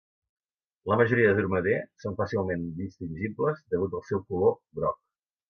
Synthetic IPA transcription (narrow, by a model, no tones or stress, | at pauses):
ləməʒuɾiəðəðuɾməðesonfasilˠmend̪ist̪inʲʒibləzðəɣut̪əlˠsɛwkulobɾɔ̰k̚